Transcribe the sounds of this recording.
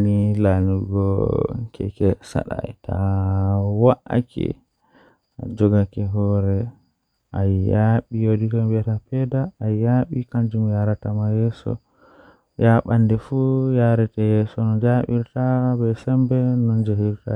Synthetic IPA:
nilanuɡɔ̰kʰɛ̰kɛsa̰ɗa̰jɛtʰa̰ | waʔa̰kʰɛ̰ | ad͡ʒɔɡakɛɦɔɾɛ | ʔajjaɓijodikabɛtapɛdaːjjaɓikaɲd͡ʒumjaɾatamajɛːsɔ̰ | jaɓandɛfujaɾɛtajɛsɔnɔd͡ʒaɓḭɾtabɛsɛmbɛnɔnd͡ʒahiɾta

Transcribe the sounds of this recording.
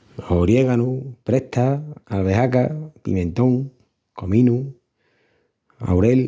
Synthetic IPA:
oɾjeɣanupɾeht̪aalβeɦakapḭmẽ̞nt̪oŋ | komĩnu | a̰wɾel

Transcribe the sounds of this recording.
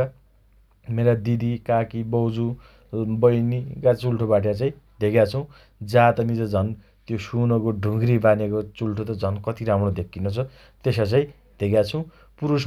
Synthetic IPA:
ʌ | meɾad̪id̪ikakibʌwd͡zu | bʌjnikat͡sulʈʰobaʈjat͡saĩd̪ʱekjat͡sʰʌw̃ | d͡zat̪ʌmid͡zʌd͡zʱʌn | t̪josunʌkoɖʱũŋɡɾibanekot͡sulʈʰot̪ʌd͡zʱʌnkʌt̪iɾamrod̪ʱekʰːinot͡sʰʌ | t̪esat͡saĩ | d̪ʱekjat͡sʰʌ̃w̃ | puɾus

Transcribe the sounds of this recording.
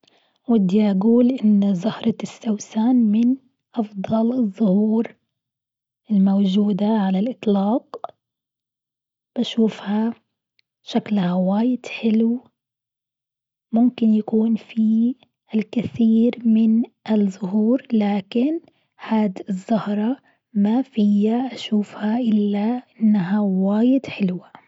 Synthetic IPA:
wɪd̪jaʔɡuːlʔɪnːzˤʊhɾˤɑsːawsaːnmɪn | ʔɑfd̪ˤɑlɨzˤːʊhuːɾ | ʔɪlmowd͡ʒuːd̪aʕalalʔɨt̪ˤlɑːq | b̥aʃuːfha | ʃaklhawaːjɪd̪ħɪl | mʊmkɪnjakuːnfi | ʔɪlkɪθiːɾmɪnʔɪlzʊɦuːɾlaːkɪn | haːd̪ɪzˤːʊhɾˤɑ | mafɪjːaʔaʃuːfhaʔɪlːaʔɪɪnːaɦawaːjɪd̪ħɪlwa

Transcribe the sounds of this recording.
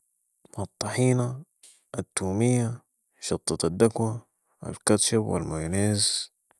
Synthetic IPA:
mɑt̪ˤːɑħiːna | ʔːt̪ːuːmijːa | ʃɑt̪ˤːɑt̪ad̪ːakwa | wa̰lkat̪ʃabwa̰lmajneːz

